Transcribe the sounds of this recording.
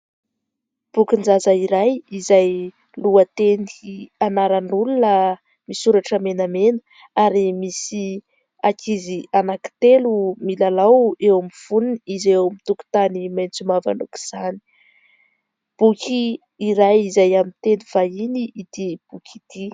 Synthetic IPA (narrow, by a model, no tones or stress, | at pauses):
b̥ukind͡zazaiɾajizaj | luət̪enianaɾanulunə | misuɾaʈ͡ʂəmenamenə̥ | aɾimisi | akʰizianaki̥t̪elumilalawewamiv̥uniniizewmit̪uku̥t̪animajnt͡sumava̰nuki̥z̥ani̥ | b̥ukiː | ɾajizajamint̪eniv̥ainiʔːd̪̥ib̥ukʰid̪̥i